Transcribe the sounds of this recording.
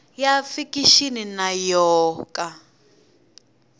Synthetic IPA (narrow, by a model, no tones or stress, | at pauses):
jafikiʃininajɔːka